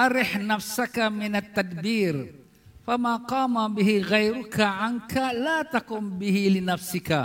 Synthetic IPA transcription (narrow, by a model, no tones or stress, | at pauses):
ʔɑɾɪħnafsakamɪnat̪ːad̪biːɾ | famaːqɑːmabɪhɪɣajɾʊkaʕankalaːt̪akʊmbɪhɪlɪnafsɪka